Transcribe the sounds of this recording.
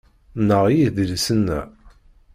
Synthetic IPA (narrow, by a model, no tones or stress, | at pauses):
nːəʁjiðəlsənːæ̰